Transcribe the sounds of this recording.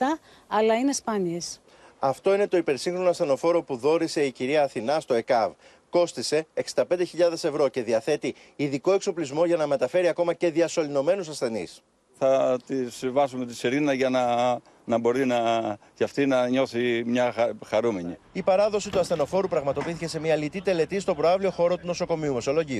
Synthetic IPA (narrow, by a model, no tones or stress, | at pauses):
t̪ɐ | ɐlɐinespɐnies | ɐft̪o̞ine̞t̪o̞ipe̞ɾsiŋxɾo̞noɐsθe̞no̞fo̞ɾo̞puðo̞ɾise̞iciɾiɐːθinɐst̪o̞e̞kɐv | ko̞st̪ise̞ːksi̥nd̪ɐpe̞nd̪e̞çiʎɐðe̞se̞vɾo̞ce̞ðiɐθe̞t̪i | iðiko̞e̞kso̞plizmo̞ʝɐnɐme̞t̪ɐfe̞ɾiɐko̞mɐce̞ðiɐso̞lino̞me̞nusɐsθe̞nḭs | θɐt̪isvɐsumet̪isiɾinɐʝɐnɐ | nɐbo̞ɾinɐcɐft̪inɐɲo̞θimɲɐxɐɾumeɲi | ipɐɾɐðo̞sit̪uɐsθe̞no̞fo̞ɾupɾɐɣmɐt̪o̞piθice̞se̞miɐlit̪it̪e̞le̞t̪ist̪o̞pɾoɐvlio̞xo̞ɾo̞t̪uno̞so̞ko̞miume̞so̞lo̞ʝiu